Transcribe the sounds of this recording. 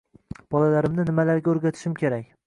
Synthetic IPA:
b̥ɒlalaɾɪmnɪnɪmalaɾɡʲaɵɾɡʲat̪ʰɪʃɪmkʲʰe̞ɾakʲ

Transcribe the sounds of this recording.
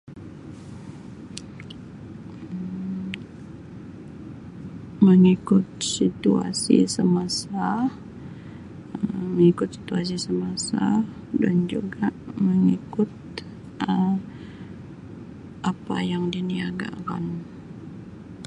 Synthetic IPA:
məŋikʊt̪̚sit̪ua̰sḭsəmasa | əməŋikʊt̪̚si̥t̪uas̬isəmasa | dand͡ʒuɡaʔməŋikʊt̪̚ | ə | ʔapa̰jaŋdiniaɡa̰ka̰n

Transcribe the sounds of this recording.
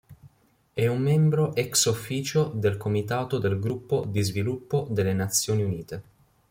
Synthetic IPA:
ɛumːɛmbɾoʔɛksufːiːt͡ʃod̪elkomit̪aːt̪od̪elɡɾupːod̪izvilupːod̪elːenat̪sːjoːniuniːt̪e

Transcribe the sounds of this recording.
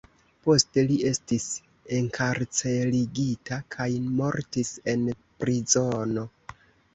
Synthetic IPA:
po̞ste̞lie̞stis | e̞ŋkʰaɾt͡se̞liɡitakʰajmo̞ɾtise̞n | pɾizo̞no̞

